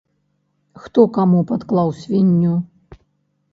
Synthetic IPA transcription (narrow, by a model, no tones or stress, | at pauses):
xt̪ɔkamupat̪klˠawsʲvʲinʲːu